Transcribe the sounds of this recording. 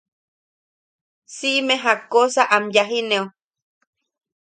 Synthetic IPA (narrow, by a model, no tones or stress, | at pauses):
siʔmeɦakosaʔamjaɦineo